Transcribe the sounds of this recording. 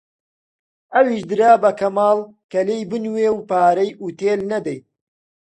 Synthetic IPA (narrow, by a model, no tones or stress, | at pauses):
ʔɐwiʃd̪ɨɾaːbɐkɐmaːl | kɐlejbɨnweːwpaːɾɐjʔut̪eːlnɐd̪ɐj